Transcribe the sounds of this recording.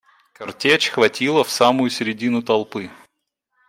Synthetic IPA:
kɐrtʲet͡ɕxvɐtʲilˠəfsamʊjʊsʲɪɾʲɪdʲinʊt̪ɐlˠpɨ

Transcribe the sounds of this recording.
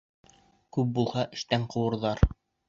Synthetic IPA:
kʉp̚bulˠhɑʔɘ̆ʃt̪æɴqɤ̆wɤ̆ɾðɑɾ

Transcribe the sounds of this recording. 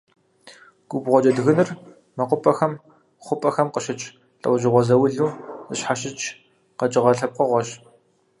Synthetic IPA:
ɡ̥ʷubʁʷɔt͡ʃɐdɣɨnɨr | mɐqʷʊpʼɐxɐm | χʷʊpʼɐxɐmqəʃɪt͡ʃʼ | ɬʼɐ̰wʒɪʁʷɔzɐwʊɮuːɨɕħaʃɪt͡ʃ | qɐt͡ʃʼɪʁɐɬɐp̚qəʁʷɔɕ

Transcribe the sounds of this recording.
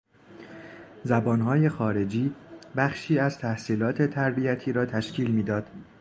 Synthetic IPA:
zæbɒːnɦɒːje̞xɒːɾe̞d͡ʒiːbæχʃiːæz̥t̪ʰæhsiːlɒːt̪ʰe̞t̪ʰæɾbiæt̪ʰiːɾɒːt̪ʰæʃcʰiːlmiːd̪ɒːd̪̥

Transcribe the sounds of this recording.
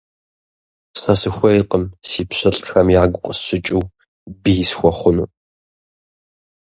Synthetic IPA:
sɐsɨxʷɐjqʼəmsiːpɕɐɬʼxɐmjaːɡʷʊqʷʼəsɕɪt͡ʃʼiw | bijɪsxʷɔχʷʊnṵː

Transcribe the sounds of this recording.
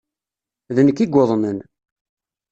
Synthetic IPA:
ðənəkːiɡʷːoðˤmən

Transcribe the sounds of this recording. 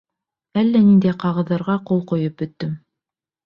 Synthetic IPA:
ælːænind̪æjqɑʁɤ̆ðːɑɾʁɑqulˠqŏjɤp̚bɵ̆t̪ːɵm

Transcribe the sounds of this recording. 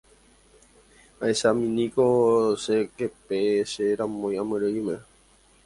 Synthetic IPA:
aeʃamĩnĩkoʃekepeʃeɾãmõj̃ãmɨ̃ɾɨimẽ

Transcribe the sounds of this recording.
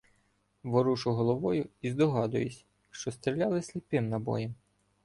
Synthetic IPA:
ʋɔɾuʃʊɦɔlˠɔʋɔjʊizd̪ɔɦɑd̪ʊjʊsʲ | ʃt͡ʃɔst̪ɾʲilʲalˠɪsʲlʲipɪmnɐbɔ̰jɛm

